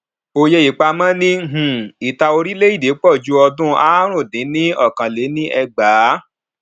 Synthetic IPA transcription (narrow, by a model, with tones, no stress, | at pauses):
o˧je˧i˨k͡pa˧mã˦nĩ˦ɦũ˨i˨ta˧o˧ɾi˦le˦i˦˨de˨˦k͡pɔ˦˨d͡ʒu˦ɔ˧dũ˦a˦ɾ̃ũ˦˨dĩ˨˦nĩ˦ɔ˦˨kã˨le˨˦nĩ˦ʔɛ˧ɡ͡baː˨˦